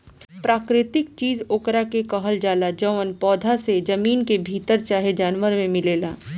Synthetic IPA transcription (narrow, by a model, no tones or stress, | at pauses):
pɾaːkɾɪt̪ɪk̚t͡ʃiːzoːkɾakekɐɦəld͡ʒaːlad͡ʒəʋənpɔːd̪ʱased͡ʒɐmiːnkebʱiːt̪əɾt͡ʃaːɦed͡ʒaːnʋəɾmẽmɪleːlaː